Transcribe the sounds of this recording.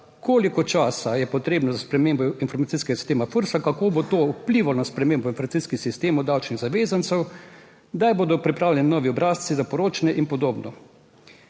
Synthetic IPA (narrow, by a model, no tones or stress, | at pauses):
koːlikɔt͡ʃaːsajɛpɔt̪ɾeːbnɔzaspɾɛmeːmbɔinfɔɾmat̪siːskɛɡasi̥st̪eːmafəɾsakakoːbot̪oːupliːʋanaspɾɛmeːmbɔinfɔɾmat̪siskixsist̪eːmʊd̪awt͡ʃniɣzaʋeːzant̪sɛw | d̪ajboːd̪ɔpɾipɾaːwlʲjʲɛninɔːʋiɔbɾaːssizapɔɾoːt͡ʃanɛʔinpɔd̪oːbnɔ